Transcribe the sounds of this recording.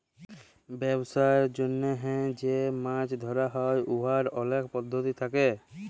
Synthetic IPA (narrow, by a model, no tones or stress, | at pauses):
bɛbsaeɾd͡ʑonːeɦɛ̃d͡ʑemãt͡ʃd̪ʱɔɾaɦɔjoɦaɾɔlekʰpɔd̪ʱːot̪it̪ʰake